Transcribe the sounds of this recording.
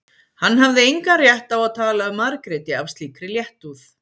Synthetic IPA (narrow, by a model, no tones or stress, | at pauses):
hanːɦavðɪejŋkarjɛht̪avaðt̪ʰaːlaʏmaɾkɾɪt̪ɪav̥st̪liːkɾɪljɛht̪uθ